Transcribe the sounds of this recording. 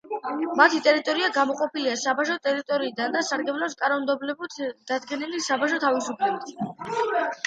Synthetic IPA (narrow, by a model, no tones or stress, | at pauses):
mat̪ʰit̪ʼɛɾit̪ʼɔɾiaɡamɔqʼɔpʰiliasabaʃɔt̪ʼɛɾit̪ʼɔɾiːd̪and̪asaɾɡɛblɔpskʼanɔmd̪ɛblɛbut̪ʰd̪̥ad̪ɡɛnilisabaʃɔt̪ʰavisupʰlɛbit̪ʰ